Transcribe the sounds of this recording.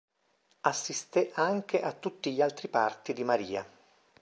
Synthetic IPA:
asːist̪eʔaŋk̟eʔat̪ːut̪ːiʎːalt̪ɾipart̪id̪imaɾiːa̰

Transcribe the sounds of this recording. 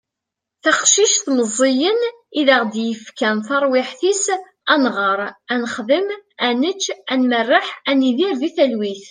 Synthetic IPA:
θɑχʃiʃθməzˤːijən | iðəʁd̪jəfkænθɑɾˤwɪħθis | ænʁəɾˤænəχðəmænət͡ʃːænmərˤːəħæniðiɾviθælwiθ

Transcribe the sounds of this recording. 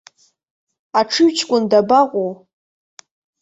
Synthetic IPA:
aʈ͡ʂʰɨɥt͡ʃʰkʷʼʊndabaʁʷʼow

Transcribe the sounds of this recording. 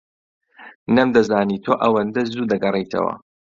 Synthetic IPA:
nɐmd̪ɐzaːniːt̪ʰoːʔɐwɐnd̪ɐzuːd̪ɐɡɐrˤejt̪ʰɐ̰wɐ̰

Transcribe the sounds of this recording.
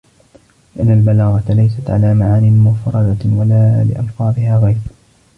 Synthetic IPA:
lɪʔanːalbalaːɣɑt̪lajs̬at̪ʕa̰laːmaʕaːnɪmʊfɾˤɑd̪awalaːlɪ̰ʔɑ̰lfɑːd̪ˤɪhaːɣajɾ

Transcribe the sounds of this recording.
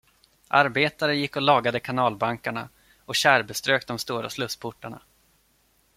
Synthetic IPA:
ʔaɾbeːt̪aɾəjɪkːɔlɑːɡad̪əkʰanɑːlbaŋkaɳa̰ | ɔɕæːɾbɛst̪ɾøːk̚d̪ɔmst̪uːɾa̰slɵspʰʊʈːaɳa̰

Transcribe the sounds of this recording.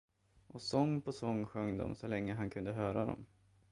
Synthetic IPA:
ʔɔsɔŋːpʰɔsɔŋːɧœŋːd̪ɔ̰msɔlɛŋːəɦankʰɵnd̪əɦœːɾad̪ɔ̰m

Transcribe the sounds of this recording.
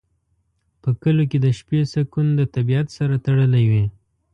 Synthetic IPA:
pəkəloked̪əʃpesakund̪ət̪abiat̪saɾat̪aɽəlawe

